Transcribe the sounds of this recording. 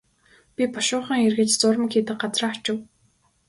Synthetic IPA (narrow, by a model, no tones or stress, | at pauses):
pʲipɔʃʊːχə̆ŋerɣɘ̆t͡ɕt͡sʊɾə̆mkxiːt̪ɘ̆k̚ɢat͡srḁːt͡ɕɪ̆w